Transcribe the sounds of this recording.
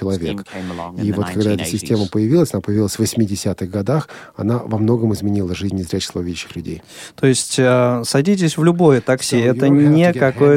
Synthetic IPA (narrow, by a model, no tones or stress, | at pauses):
ɪlˠɐvʲe̞kkivo̞t̪kɐɡd̪aɛt̪əsʲɪsʲtʲeməpəjɪvʲilˠəsʲɐnapəjɪvʲilˠəsʲvəsʲmʲɪdʲɪsʲat̪ɨɣɡɐd̪ax | ɐ̰navɐmno̞ɡəmɨɪzmʲɪnʲilˠəʐɨzʲnʲnʲɪzɾʲæt͡ɕɪ̥slˠvvʲidʲɪɕːɪ̥xlʲʉdʲḛjt̪o̞ɪsʲtʲəsɐdʲit̬ʲɪsʲvlʲʊbo̞jət̪ɐksʲiɛt̪ənʲɪkɐkoj